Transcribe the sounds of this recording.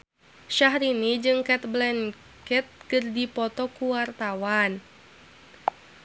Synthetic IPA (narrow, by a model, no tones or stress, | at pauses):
ʃaɦɾinid͡ʒɨŋkɛt̪̚blɛn | kɛt̪̚kɨrdipɔt̪ɔkuwart̪awan